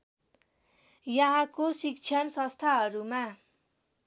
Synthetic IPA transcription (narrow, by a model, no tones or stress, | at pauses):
jʌɦakosik̚t͡sʰjʌnsʌ̃st̪ʰaɦʌɾuma